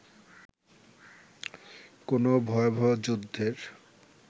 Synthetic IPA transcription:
konobʱɔebʱɔd͡ʑud̪ʱːeɾ

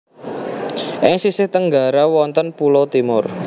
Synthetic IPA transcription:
ʔɪŋsisɪht̪əŋɡaɾawɔnt̪ənpulot̪imʊr

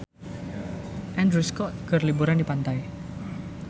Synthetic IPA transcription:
ʔɛ̃ndɾuskɔt̪̚kərlibuɾandipant̪aj

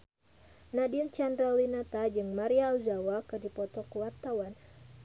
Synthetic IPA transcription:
nadint͡ʃandɾawinat̪ad͡ʒɨŋmaɾiaːuzawakɨrdipɔt̪ɔkuwart̪awan

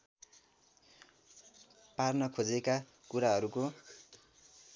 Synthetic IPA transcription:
parnʌkʰod͡zeka | kuɾaɦʌɾuko

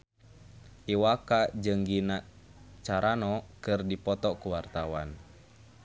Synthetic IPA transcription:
ʔiwakaʔd͡ʒɨŋɡina | t͡ʃaɾʔanɔkɨrdipɔt̪ɔkuwart̪awan

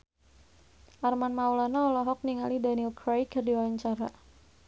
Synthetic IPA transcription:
ʔarmanmaulɔnaɔlɔɦɔk̚niŋalidanilkɾajkərdiwawaɲt͡ʃaɾa

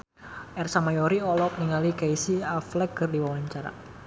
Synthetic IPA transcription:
ʔɛrsamajɔɾiɔlɔpniŋalikaisiaflɛkːɨrdiwawaɲt͡ʃaɾa̰

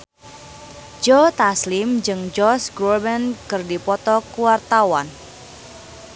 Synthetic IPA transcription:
d͡ʒot̪aslɪmd͡ʒɨŋd͡ʒɔsɡɾɔbɛnkɨrdipɔt̪ɔkuwart̪awan

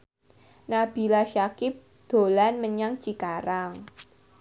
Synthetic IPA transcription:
nab̥i̤laʃakɪp̚ | d̪̥o̤lanməɲaŋt͡ʃikaɾaŋ

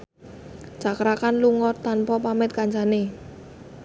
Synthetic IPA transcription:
t͡ʃakɾakanluŋɔt̪ːanpɔpamɪt̪̚kaɲt͡ʃane

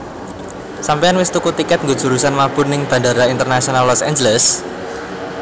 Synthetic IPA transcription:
sampejanwɪst̪ukut̪ikɛt̪̚ŋɡod̥ʒ̥ṳɾusanmab̥ʊ̤nːɪŋb̥a̤ndaɾaint̪ərnasionalːɔsɛnd͡ʒələs

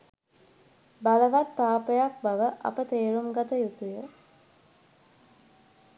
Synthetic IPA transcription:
baləʋat̪̚paːpəjak̚baʋəʔɐ̰pət̪eːɾumɡat̪əjut̪ujə

